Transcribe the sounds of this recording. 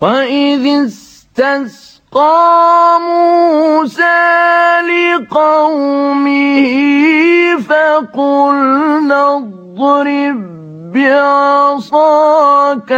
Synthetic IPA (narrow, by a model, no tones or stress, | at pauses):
waʔɪðɪs | t̪as | qɑmusalɪqɑwmɪhɪ | faqʊlnɑðˤɾɪbː | ɪʕɑsˤɑːka